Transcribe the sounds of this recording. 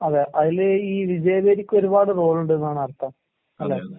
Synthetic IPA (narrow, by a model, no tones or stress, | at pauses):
ɐðeːʔɐðileiːʋid͡ʑɐjɐbeːɾikʲːo̞ɾubaːɽɨro̞ːɭuɳɖɨenːaːɳɨɐrt̪ːɐm | ɐlːe